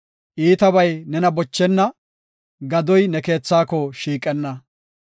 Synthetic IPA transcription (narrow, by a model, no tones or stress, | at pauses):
ʔiːt̪ɐβɐjnɛnɐbɔt͡ʃːɛnːɐ | ɡɐd̪ɔjnɛke̞ːt͡sːaːkɔʃiːkʼɛnːɐ